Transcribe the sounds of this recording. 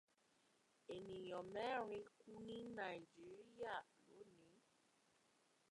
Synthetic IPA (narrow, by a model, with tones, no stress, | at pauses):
e˨nĩ˨jɔ˨mɛ˦ɾ̃ĩ˧ku˦nĩ˦na˨i˨d͡ʒi˦ɾi˦ja˦˨no˨˦nĩ˨˦